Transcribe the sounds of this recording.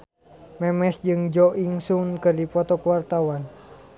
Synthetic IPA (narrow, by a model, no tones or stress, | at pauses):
mɛmɛsd͡ʒɨŋd͡ʒɔʔiŋsunkɨrdipɔt̪ɔkuwart̪awan